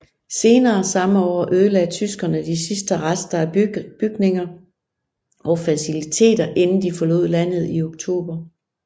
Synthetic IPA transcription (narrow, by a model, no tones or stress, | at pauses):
se̝ːnɐːsɑ̈məɒ̰ːʔøð̞ˠəlɛ̥t͡sʰysɡ̥ɐnəd̥isisd̥əʁasd̥ɐæb̥yɡ̥ne̝ŋɐ | ʔɒ̽fæsilit͡sʰe̝̰ːd̥ɐʔe̝nn̩d̥ifɒ̽lo̰ð̩̰ˠlæn̰ð̩ˠioɡ̥̚t͡sʰo̝̰ːb̥ɐ